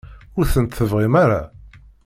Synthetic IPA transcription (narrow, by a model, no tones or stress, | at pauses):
ʊɾθənt̪θəvʁimaɾa̰